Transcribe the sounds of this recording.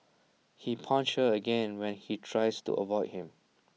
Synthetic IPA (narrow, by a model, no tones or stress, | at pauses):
hipʰɔ̃nt͡ʃəəɡɛ̃nwɛ̃nhitʰɹaɪstṵʔə̰vɔɪd̚hĩm